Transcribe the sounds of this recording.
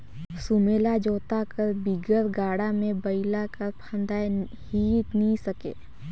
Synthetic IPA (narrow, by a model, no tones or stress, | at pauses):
sʊmeːlad͡ʒoːt̪akəɾbiɡəɾɡaːɽamẽbəɪlakəɾpʰə̃nd̪aːj | hiːtnisəkḛː